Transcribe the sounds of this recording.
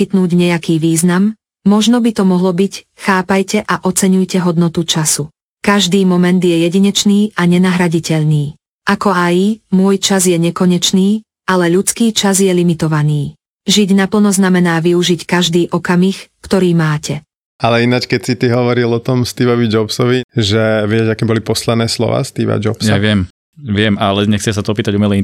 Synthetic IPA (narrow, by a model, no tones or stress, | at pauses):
it̪nuːɟɲɛjakiːʋiːznamː | ɔʒnɔbit̪ɔmɔɦlɔbicxaːpajcɛʔaʔɔt͡sɛɲujcɛɦɔd̪nɔt̪ut͡ʃasu | kaʒd̪iːmɔmɛnd̪jɛjɛɟiɲɛt͡ʃniːʔaɲɛnaɦɾaɟicɛʎniː | ʔakɔajmʊɔjt͡ʃazjɛɲɛkɔɲɛt͡ʃniː | ʔalɛʎut͡skiːt͡ʃazjɛlimit̪ɔʋaniː | ʒiɟnapl̩nɔznamɛnaːʋiuʒickaʒd̪iːʔɔkamixkt̪ɔɾiːmaːcɛ | alɛinat͡ʃkɛcsit̪iɦɔʋɔɾilɔt̪ɔmst̪iːʋɔʋid͡ʒɔpsɔʋiʒɛʋɛɛd͡ʒakɛːbɔlipɔslɛd̪nɛːslɔ̰ʋa̰ːst̪iːʋa̰d͡ʒɔpsjaʋɪɛm | ʋɪɛmalɛɲɛxt͡sɪɛsat̪ɔɔpiːt̪aɟumɛlɛ